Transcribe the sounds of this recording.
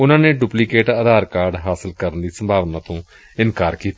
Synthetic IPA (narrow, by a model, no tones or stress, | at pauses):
ʊnãːneːɖupliːkeːʈəːd̪aːɾkaːɾɖɦaːsəlkəɾənd̪iːsəmbʱaːʋnãːt̪õː | ɪnkaːɾkiːt̪a